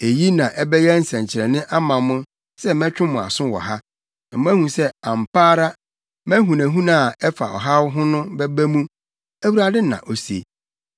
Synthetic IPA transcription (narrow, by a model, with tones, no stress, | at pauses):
e˨ji˦nã˨ʔɛ˦bɛ˦jɛ˦n̩˦sɛ̃˨ɲ˨t͡ɕʰɪ˨ɾɛ˨nɪ̃˦ʔa˦mã˨mʊ̃˦ | sɛ˦mɛ̃˦t͡ɕᶣʊ̃˦mʊ̃˨a̰˨sʊ̃˦wɔ̰˨ɦa˦ | ã˨m̃˦æ˦hũ˨sɛ˦ã˨m˨paː˦ɾa˦ | mæ̃˦ɦũ˨næ̃˨ɦũ˦nã˦˨ɛ˦fa̰˨ɔ̰˨ɦa˦wɦʊ̃˦nʊ̃˦bɛ˦bæ˦mũ˦ | æ˦wu˨ɾa˨dɪ˦nã̰˨ʔo˨si˨e˨